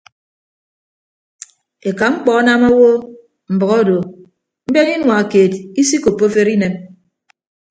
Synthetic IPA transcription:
e˨ka˨ŋ͡m̩˦k͡pɔ˨˦na˦ma˦wo˦ | m̩˨bʌ˨ɣɔ˦˨do˨ | m̩˦be˦ŋi˦nwa˨keː˨ti˦si˦ko˨pːo˦fe˦ɾi˦ne˨m

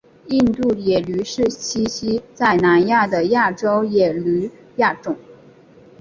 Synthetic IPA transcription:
i˥˧nt̪u˥˩jɛ˨˩ly˧˥ʂɻ̩˥˩t͡ɕʰi˥ɕi˥t͡sa˥˩ɪna˧˥nja˥˩d̪ə˩ja˥˩ʈ͡ʂo˥ʊjɛ˨˩ly˧˥ | ja˥˩ʈ͡ʂʊ˨˩˦ŋ

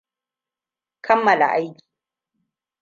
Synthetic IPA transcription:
kʰɐ˦mːɐ˨la̰˨ʔa˦jkʲi̥ː˨

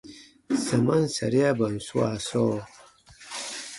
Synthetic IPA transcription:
sa˨ma˦nsa̰˨ɾi˦a˦ba˨n˨su˦a̰˨so˦

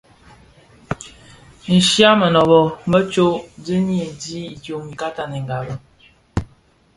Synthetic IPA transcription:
n̩˨ʃja˦mə˨nɔ˨bɔ˨mə˦t͡ʃo˦də˦n˦e˨di˦i˨tjo˨mi˨ka˦ta˨ni˨ŋ˨ɡa˨bə˨

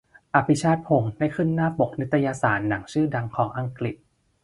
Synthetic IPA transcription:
ʔa˨˩pʰi˧˦t͡ɕʰaː˥˩t̪̚pʰo˩˧ŋdaː˥˩jkʰɯ˥˩nːaː˥˩po˨˩k̚ni˦˥t̪ʰːa˧ja˧saː˩˦nːaː˩˦ŋt͡ɕʰɯː˥˩da˧ŋkʰɔː˩˦ŋʔa˧ŋkli˨˩t̪̚

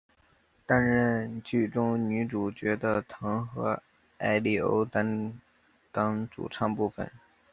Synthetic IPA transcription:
t̪a˥nɻə˥˧nt͡ɕy˥˩ʈ͡ʂʊ˥ŋny˧˥ʈ͡ʂu˨˩t͡ɕɥɛ˧˥d̪ə˧t̪ʰɤ˧˥ŋxɤ˧˥ | a˥ɪli˥˩o̰˥ʊt̪a˥n | t̪ɑ˥ŋʈ͡ʂṵ˨˩ʈ͡ʂʰɑ˥˧ŋpu˥˩fə̰˨˩n

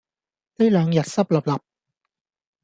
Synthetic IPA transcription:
t̪e˥jlœː˨˧ŋjɐ˨t̚sɐ˥p̚lɐ˨p̚lɐ˨˩p̚

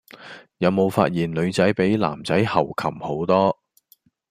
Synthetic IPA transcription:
jɐ˨˧wmo˨˧wfa̰ː˧t̚jiː˨˩nlɵ˨˧ɥt͡sɐ˨˥jpe˨˥jla̰ː˨˩mt͡sɐ˨˥jhɐ˨˩wkʰɐ˨˩mho˨˥wt̪ɔː˥

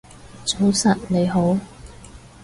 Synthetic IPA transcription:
t͡so˨˥wsɐ˨t̚ne˨˧jɦo˨˥w

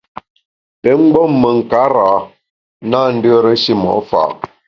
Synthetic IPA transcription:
ə˨˦ŋ͡m̩˦ɡ͡bɔ˦mːə˨ŋ̩˨ka˨˦ɾa˨˦ | na˦n̩˦də˦ɾə˦si˦mɔ̰˨˦fa̰˨

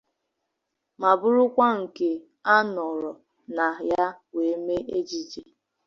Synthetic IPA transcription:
ma˨bʊ˦ɾʊ˦kʷa˦ŋ̩˨ke˨ | a˦nɔ˨ɾɔ˨ | na˨ja˦we˨˦me˦ʔe˦d͡ʒi˨d͡ʒe˨

